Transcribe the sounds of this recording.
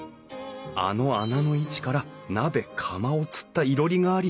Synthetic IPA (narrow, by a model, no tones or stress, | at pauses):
a̰no̞anano̞it͡ɕi̥kaɾanabe̞kʰamao̞t͡sɨ̥t̪ːaiɾo̞ɾʲiŋaːɾʲi